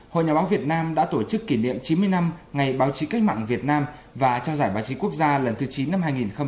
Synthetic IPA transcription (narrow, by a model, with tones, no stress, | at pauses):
ho̰˧˨jɲaː˨˩ɓːwvi˨˩ət̚naː˧mɗa̰ː˧˥t̪o˧˩t͡ɕɨ˦˥kːi˧˩nḭ˧˨əmt͡ɕi˨˦nmɨ˧əjna˧mŋa˨˩jɓaː˨˦wt͡ɕi˨˦ka˦˥k̚ma̰ː˧˨ŋvi˨˩ət̚naː˧mvaː˨˩t͡ɕɔ˧wzaː˧˩jɓaː˨˦wt͡ɕi˨˦ku˦˥ək̚zaː˧lə˨˩nt̪ʰɨ˨˦t͡ɕi˨˦nːa˧mɦaː˧jŋi˨˩nxə˧ŋ͡m